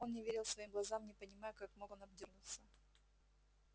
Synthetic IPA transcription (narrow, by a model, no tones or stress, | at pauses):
o̞nnʲɪvʲeɾʲɪlˠsvɐjimɡlˠɐzamnʲɪpənʲɪmajʊkakmoonɐbdʲirnʊt̪sə